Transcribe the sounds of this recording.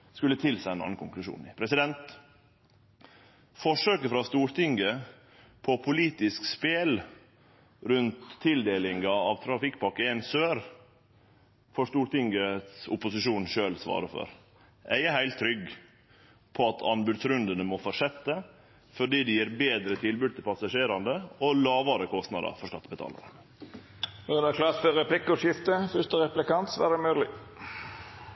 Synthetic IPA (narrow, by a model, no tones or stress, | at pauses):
skʉlːət̪ʰɪlsæɪɛnɑ̰nːn̩kʰʊŋklʉʂṵːnpʰɾɛsɪd̪ɛnt̪ | fɔʂøːkəfɾɑst̪uːɾt̪ʰɪŋɡə | pʰɔpʰʊliːt̪ɪskspeːl | ɾʉnt̪ʰːɪld̪eːlɪŋɑɑʋt̪ʰɾɑfɪkːpʰɑkːəɛnsøːɾ | fɔʂt̪uːɾt̪ɪŋɡəsʊpʊsɪʃuːnʃøːlsʋɑ̰ːɾəfɔ̰ɾ | ʔæ̰ɪəhæɪlt̪ʰːɾʏɡ | pʰɔɑt̪ʰɑnbʉd̪sɾʉnd̪ənəmɔfɔʂɛt̪ːə | fɔɖiːd̪ɛjiːɾbeːd̪ɾət̪ʰɪlbʉd̪̚t̪ʰɪlpʰɑsɑʂeːɾɑnd̪əɔlɑːʋɑɾəkʰɔst̪nɑ̰d̪ɑ̰fɔʂkɑt̪ːəbət̪ʰɑ̰ːlɑ̰ɾə | ɔd̪ækʰlɑːt̪fɔɾɛplɪkːɔʂɪft̪əfʏʂt̪əɾɛplɪkɑnt̪sʋæ̰ːɾd̪ɛmøːd̪lɪ